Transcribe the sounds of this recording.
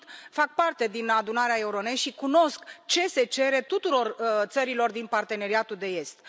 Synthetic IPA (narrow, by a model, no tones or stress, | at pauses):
t̪fak̚part̪e̞d̪inad̪unaɾeae̞uɾo̞ne̞ʃikuno̞skt͡ʃe̞se̞t͡ʃe̞ɾe̞t̪ut̪uɾo̞rt̪səɾilo̞rd̪inpart̪e̞ne̞ɾiat̪uld̪e̞e̞st̪